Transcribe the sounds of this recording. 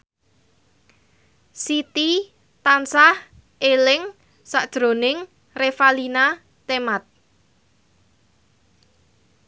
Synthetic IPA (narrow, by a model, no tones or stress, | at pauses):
sit̪i | t̪ansah | elɪŋ | sad̥ʒ̥ɾo̤nɪŋ | refalina | t̪emat̪̚